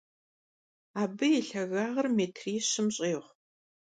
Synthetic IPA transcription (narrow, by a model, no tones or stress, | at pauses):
aːbɨjɛɬɐɣaːʁɐrmeːtʰriːɕɪmɕʼeːʁʷ